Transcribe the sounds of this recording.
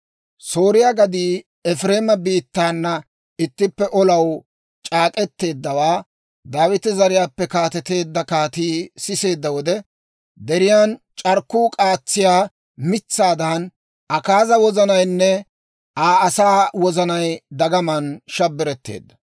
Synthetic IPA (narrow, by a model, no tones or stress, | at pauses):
soːɾɪjaːɡɐd̪iː | ɛfɾe̞ːmɐbiːt̪ːaːnːɐ | ɪt̪ːɪpːɛʔɔlɐw | t͡ʃʼaːkʼɛt̪ːe̞ːd̪ːɐwaː | d̪aːwɪt̪ɪzɐɾɪjaːpːɛkaːt̪ɛt̪e̞ːd̪ːɐkaːt̪iːsɪse̞ːd̪ːɐwɔd̪ɛ | d̪ɛɾɪjaːn | t͡ʃʼɐɾkːuːkʼaːt͡sːɪjaː | mɪt͡sːaːd̪ɐn | ɐkaːzɐwɔzɐnɐjnːɛ | ʔaːɐsaːwɔzɐnɐjd̪ɐɡɐmɐnʃɐbːɪɾɛt̪ːe̞̰ːd̪ːɐ̥